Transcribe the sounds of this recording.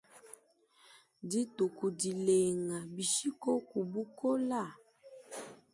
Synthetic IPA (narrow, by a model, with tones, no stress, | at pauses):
di˦tu˨ku˨di˨le˨ŋa˨bi˨ʃi˦ko˦ku˨bu˦ko˦la˦˨